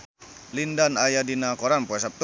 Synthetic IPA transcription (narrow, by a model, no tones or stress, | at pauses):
lindanajadinakɔɾanpuɛs̬ap̚t̪u